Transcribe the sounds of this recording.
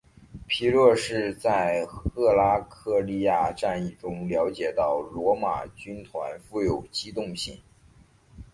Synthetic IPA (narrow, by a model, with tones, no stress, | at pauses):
pʰi˧˥ɻwɔ˥˧ʂɻ̩˥˧t͡sa˥˩˧ɪxɤ˥˩la˥kʰɤ˥˧li˥˧ja˥˧ʈ͡ʂa˥˧ni˥˩ʈ͡ʂʊ˥ŋljɑ˧˥ʊt͡ɕjɛ˨˩t̪ɑ˥˩ʊlwɔ˧˥ma̰˨˩t͡ɕy˥nt̪ʰwa˧˥nfu˥˩jo˨˩ʊt͡ɕi˥t̪ʊ˥˧ŋɕi˥˩ŋ